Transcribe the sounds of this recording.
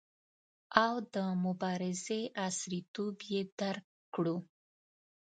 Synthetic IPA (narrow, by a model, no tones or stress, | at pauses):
awd̪əmʊbɑɾɪzeʔasɾit̪objed̪aɾk | kɽu